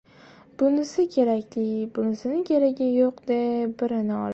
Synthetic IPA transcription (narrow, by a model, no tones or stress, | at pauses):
b̥ʊnɪsɪkʲʰe̞ɾakʲlɪbʊnɪsɪnɪkʲʰeɾaɡʲajoqd̪ebɪɾɪnɪɒ̰l